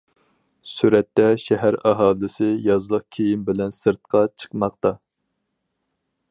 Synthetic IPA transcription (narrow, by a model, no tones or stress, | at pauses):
syɾɛt̪ːɛʃɛɦæɾɑɦɑːlˠɪsɪjɑzlˠəq̚kʲʰejimbɪlɛnsɨɾt̪̚qʰɑt͡ʃʰə̥qmɑqt̪ɑ